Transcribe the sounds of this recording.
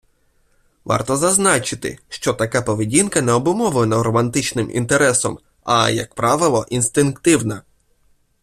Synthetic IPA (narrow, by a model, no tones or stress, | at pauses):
ʋɑ̰rt̪ɔzɐznɑt͡ʃɪt̪ɪ̰ʃt͡ʃɔt̪ɐkapɔʋɪdʲinkɐnɛɔbʊmɔʋlˠenɐɾɔmɐnt̪ɪt͡ʃnɪmʔḭnt̪eɾɛsɔm | ɐ̰jɐ̰k̚pɾɑʋɪlˠɔʔinst̪ɪnkt̪ɪwnɐ